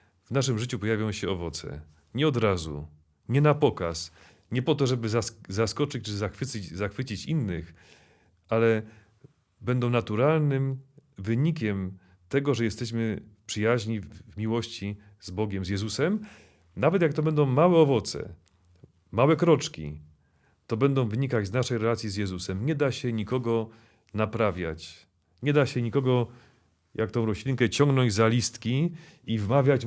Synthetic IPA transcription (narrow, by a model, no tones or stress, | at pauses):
vnaʂ̬ɘmʐɘt͡ɕupɔjavʲjɔ̃w̃ɕɛɔvɔt̪sɛ̰ | ɲɛɔd̪ɾazṵ | ɲɛnapɔkas | ɲɛpɔt̪ɔʐɛbɘzazaskɔt͡ʂɘt͡ɕt͡ʂɘzaxfɘt͡ɕzaxfɘt͡ɕit͡ɕinːɘx | alɛ | bɛnd̪ɔ̃w̃nat̪uɾalnɘmvɘɲikʲɛm | t̪ɛɡɔʐɛjɛst̪ɛɕ̬mɘpʂɘjaʑɲivmʲiwɔɕt͡ɕi | zbɔɡʲɛmzjɛzusɛm | navɛt̪jak̚t̪ɔbɛnd̪ɔ̃w̃mawɛɔvɔt̪sɛ̰ | mawɛkɾɔt͡ʂkʲḭ | t̪ɔbɛnd̪ɔ̃w̃vɘɲikad͡ʑznaʂɛjɾɛlat̪sʲjizʲjɛzusɛmɲɛd̪aɕɛɲikɔɡɔ | napɾavʲja̰t͡ɕ | ɲɛd̪aɕɛɲikɔɡɔ | jʔak̚t̪ɔ̃w̃ɾɔɕlʲiŋkɛt͡ɕɔŋɡnɔɲd͡ʑzalʲist̪kʲiivmavʲjad͡ʑ